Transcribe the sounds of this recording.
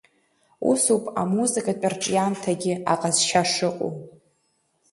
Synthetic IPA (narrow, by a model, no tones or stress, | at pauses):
ṵsupʼa̰muzɨkʼat͡pʼarʈ͡ʂʼijantʰaɡʲɪaqʼazʃaʂɨqʼo̰